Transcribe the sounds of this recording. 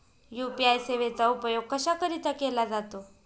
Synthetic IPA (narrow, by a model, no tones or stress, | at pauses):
jupiajseʋet͡saupəjoɡ̚kəɕakəɾit̪akelad͡zat̪o